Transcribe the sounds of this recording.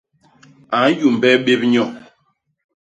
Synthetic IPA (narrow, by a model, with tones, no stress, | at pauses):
a˨˦n˦ju˨m˨bɛ˦ɓe˦p̚ɲɔ˦˨